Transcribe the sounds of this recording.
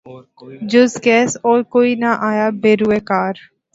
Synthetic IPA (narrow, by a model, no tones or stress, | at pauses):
d͡ʒʊzɡɛːsɔːɾkoːinaʔaːjabeːɾuekaːɾ